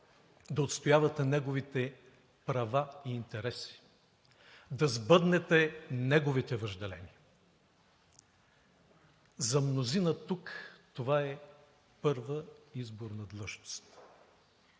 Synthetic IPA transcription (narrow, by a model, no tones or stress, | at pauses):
d̪ɐot̪st̪ojavɐt̪ɛnɛɡovit̪ɛ | pɾɐvaiːnt̪ɛɾɛsi̥ | d̪ɐzbɤd̪nɛt̪ɛnɛɡovit̪ɛvɐʒd̪ɛlɛ̰niə | zɐmnozinɐt̪ukt̪ovaɛ | pɤɾvəizboɾnɐd̪lˠɤʃno̥st̪